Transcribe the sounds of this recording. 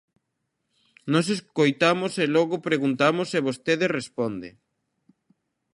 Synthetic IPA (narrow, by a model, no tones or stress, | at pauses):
nɔs̬eskojt̪amoselɔɣʊpɾeɣunt̪amoseβost̪eðesrespɔnd̪ɪ